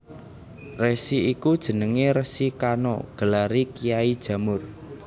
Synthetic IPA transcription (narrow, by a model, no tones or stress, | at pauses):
resiikud̥ʒ̥ə̤nəŋeɾəsikanɔ̰ɡ̥ə̤laɾikijaid̥ʒ̥ä̤mʊr